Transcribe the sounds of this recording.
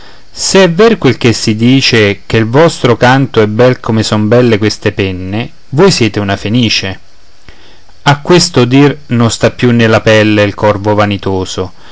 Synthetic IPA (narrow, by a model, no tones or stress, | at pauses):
seɛvːɛɾkwelk̟esːid̪iːt͡ʃek̟elvɔst̪ɾokant̪oɛbɛlkʰomesɔmbɛlːekwest̪epɛnːe | vojsjɛːt̪eunafeniːt͡ʃe | akːwest̪od̪irnʊnst̪apːjunːelapɛlːeilkʰɔrvovanit̪oːzo